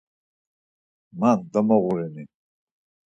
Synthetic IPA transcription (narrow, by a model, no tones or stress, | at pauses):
mand̪amaɣuɾɛni